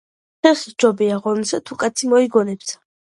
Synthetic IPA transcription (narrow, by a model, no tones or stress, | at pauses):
χɛχid͡ʒɔbiaʁɔnsat̪ʰukʼat̪sʰimɔiɡɔnɛpsʰḁ